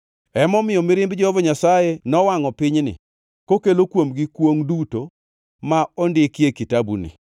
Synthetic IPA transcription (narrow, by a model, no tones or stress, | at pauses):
ɛmɔmɪjɔmɪɾɪmbd͡ʒɔɔvɔɲasajenɔwaŋɔpɪɲnɪ̰ | kokelokwomɡikwoŋduto | maɔndɪkjekitabunɪ̰